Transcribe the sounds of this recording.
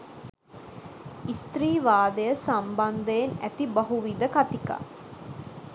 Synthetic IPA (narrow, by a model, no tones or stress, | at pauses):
ist̪riːʋaːd̪əjəsamband̪əjenæ̰t̪ibaɦuʋid̪əkat̪ika̰